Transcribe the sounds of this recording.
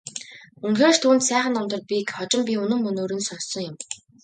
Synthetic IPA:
ɵnxeːrt̪ʰuːnt̪sæːχə̆nːɔmt̪ɞ̆r̚pʲikχɔt͡ɕɪ̆mpʲiɵnɵ̆mːɵnoːɾɵ̆nsɔsɞ̆ŋjʊm

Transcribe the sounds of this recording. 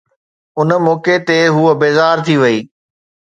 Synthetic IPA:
ʊnmoːket̪eɦuːəbeːzaːɾt̪ʰiʋɐiː

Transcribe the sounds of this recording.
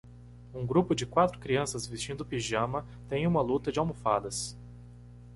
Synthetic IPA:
ũɡɾupʊd͡ʒɪkwat̪ɾʊkɾiɐ̃sɐzvist͡ʃĩnd̪ʊpiʒɐ̃mɐ | t̪ẽj̃ũmɐlut̪ɐd͡ʒɪawmofad̪ɐs

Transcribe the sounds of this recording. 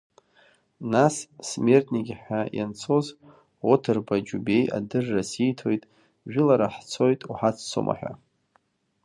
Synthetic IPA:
nasːme̞rtʼʰniɡʲħʷᶣajant͡sʰo̞z | otʰarbad͡ʒube̞ja̰dɨrːasijtʰo̞jtʼ | ʒᶣʊlaɾaħt͡sʰo̞jtʼuħat͡sʰt͡sʰo̰mʔa̰ħʷᶣa̰

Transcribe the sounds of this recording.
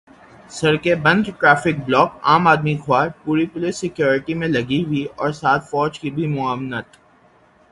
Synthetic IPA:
sɐɾkebɐ̃nd̪ʈɾaːfɪk̚blɔːkaːmaːd̪mixwaːɾpuːɾipʊlɪsːɪkjoːɾɪʈimẽlɐɡiwiɔːɾsaːt̪ʰfɔːd͡ʒkibʱimʊaːʋnət̪

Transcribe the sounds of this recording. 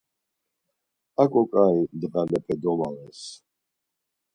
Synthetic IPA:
akʼɔkʼaĩd̪ɣanɛpʼɛd̪ɔmawɛs

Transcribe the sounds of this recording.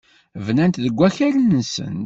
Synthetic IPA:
vnænt̪ðəɡʷːæçælənsə̰n

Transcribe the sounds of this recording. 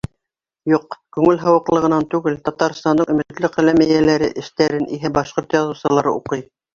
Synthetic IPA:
juqkʉŋɘlɦɤ̆wɤ̆qlˠɤ̆ʁɤ̆nɑnt̪ʉɡɘlt̪ɑt̪ɑɾst̪ɑnd̪ɤɴɵ̆mɘ̆t̪lɘqæ̆læmæjælæɾɘ̰ʔɘ̆ʃt̪æɾɘnʔiɦɘbɑʃqoɾt̪jɑðŭwsɤ̆lˠɑɾɤ̰uqɤj

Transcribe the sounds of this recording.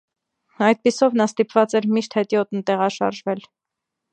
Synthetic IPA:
ɑjd̪̚pisɔvnɑst̪ipvɑt͡sɛɾmiʃt̪hɛt̪jɔt̪nt̪ɛʁɑʃɑ̰ɾʒvɛl

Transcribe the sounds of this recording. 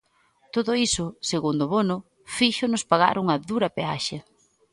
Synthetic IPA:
t̪oðʊisʊseɣund̪oβonʊ | fiʃʊnʊspaɣa̰ɾuŋɐðuɾɐpea̰ʃɐ

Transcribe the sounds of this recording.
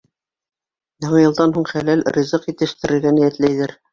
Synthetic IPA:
jɑɴjɤ̆lˠd̪ɑnɦuɴχælælrʲizɤqjit̪ɘ̆ʃt̪ɘ̆ɾɘ̆ɾɡænijæt̪læjðɘɾ

